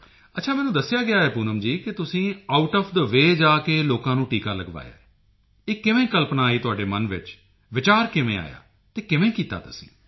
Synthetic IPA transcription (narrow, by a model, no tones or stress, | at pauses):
ətːʃʰaːmɛːnũːd̪əsːɪjaːɡɪjaːɛːpuːnəmd͡ʒiːkɪt̪ʊsĩːaːʊʈɔːpʰd̪əʋeːd͡ʒaːkeːloːkãːnũːʈiːkaːləɡʋa̰ːja̰ːɛ | eːkɪʋẽːkəlpnãːiːt̪ʊaːɖeːmənʋɪ̰t͡ʃ | ʋɪt͡ʃaːɾkɪʋḛ̃ːa̰ːja̰ː | t̪eːkɪʋẽːkiːt̪a̰ːt̪ʊsĩ̥̰ː